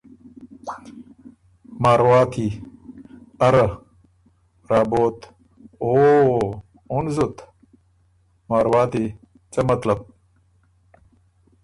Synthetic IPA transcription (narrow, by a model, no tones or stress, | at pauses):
maːɾwaːt̪ʰi | ɐɾɐ | ɾaːboːt̪ | oː | unzut̪ | maːɾwaːt̪i | t͡sɐmɐt̪lɐb̚